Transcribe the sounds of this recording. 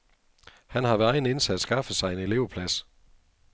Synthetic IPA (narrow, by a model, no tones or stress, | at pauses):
hænhɑ̈ʋæɑ̈ɪn̩e̝nsædsɡ̥ɑ̈fəsɑ̈ɪe̝ne̝le̝ʊɐpʰlæs